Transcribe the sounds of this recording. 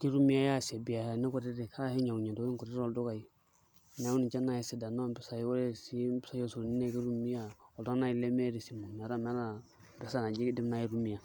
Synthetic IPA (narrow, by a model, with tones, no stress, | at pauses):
ki˦ɾu˦mi˦ja˦ja˦˨sɛ˨bi˨ja˨ha˨ni˦ko˦ɾi˦ɾi˨kʰa˦hi˦ɲa˨u˨ɲa˨do˨˦i˦ŋ˦ku˨ɾi˦ɾɔ˨ldʊ˦ka˨ji˨˦˨ | na˨˦u˦ni˨t͡ʃa˦na˨ji˨si˨da˨na˦bɪ˦sa˦ji˦wo˦ɾe˦˨si˦bi˦sa˦jo˦su˨ni˦ne˦˨ki˦ɾu˦mi˦a˨ɔ˨da˦na˦ji˦˨le˦me˦ɾi˨si˨mo˨mɛ˨ɾa˦mɛ˨˦ɾa˦˨˦ | bɛ˨˦sa˦na˨d͡ʒi˦ɡdi˦m˦na˦ji˦ɾu˦mi˨ja˨